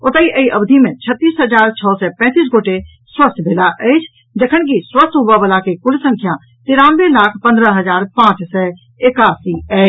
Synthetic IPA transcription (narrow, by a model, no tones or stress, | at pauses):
ʊt̪əiʔəiʔɐbd̪ʱimẽt͡ʃʰət̪ːiːsɦəd͡ʒaːɾt͡ʃʰɔːsɛːpɛ̃ːt̪iːs̬ɡoːʈe | swəst̪ʰbʱeːlaʔɛt͡ʃʰ | d͡ʒəkʰəñk̬iswəst̪ʰɦʊʋabəlakekʊɽsə̃ŋkʰjã | t̪ɪɾãːnbelaːkʰpɐ̃nd̪ɾəɦəzaːɾpãːt͡ʃsɛː | ɪkaːsiɛː